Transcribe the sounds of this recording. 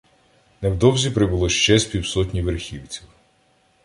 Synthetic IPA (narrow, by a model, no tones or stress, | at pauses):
nɛwd̪ɔwzʲipɾɪbʊlˠɔʃt͡ʃɛsʲpʲiwsɔtʲnʲiʋerxʲiwt͡sʲiw